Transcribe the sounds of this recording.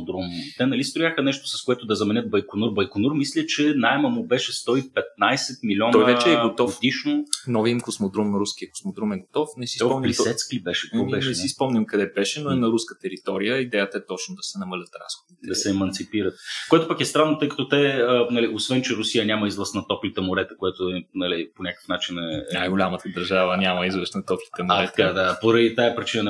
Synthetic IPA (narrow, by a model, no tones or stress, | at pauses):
d̪ɾumt̪ɛnɐlist̪ɾʊjaxənɛʃt̪o̥sɐskoɛt̪ʊd̪ɐzɐmɛnʲɤt̪̚bɐjkonuɾbɐjkonuɾmislʲət͡ʃɛnaɛmɐmʊbɛʃɛst̪ɔipɛt̪̚najsɛt̪̚milʲɔnɔj̪vɛt͡ʃɛːɡɡot̪ɔfd̪iʃnonɔviimkosmod̪ɾumɾuskʲiəko̥smod̪ɾumɛɡot̪ɔfnɛsi̥spɔmnʲlisɛt̪sklibɛʃɛt̪ɔbɛʃnɛɛsispɔmnʲimkɐd̪ɛbɛʃɛnoɛnɐɾuskət̪ɛɾit̪ɔɾijəid̪ɛjət̪əɛt̪ɔt͡ʃnod̪ɐsɛnɐməlʲət̪ɾa̰sxod̪it̪d̪ɐsɛɛmɐnt̪sipiɾət̪̚koɛt̪ʊpakɛst̪ɾanːot̪ɤjkɐ̥t̪ot̪ɛənɐliosvɛnt͡ʃɛɾʊsijənʲamɐizlˠəsnɐt̪ɔplit̪əmʊɾɛt̪əkoɛt̪oɛnɐliponʲakə̥fnat͡ʃinɛnajɡʊlʲamət̪əd̪ɐɾʒavənʲamɐizvəɾsnɐt̪ɔplit̪əmʊɾɛɐt̪d̪apoɾɐd̪it̪aɛpɾit͡ʃinən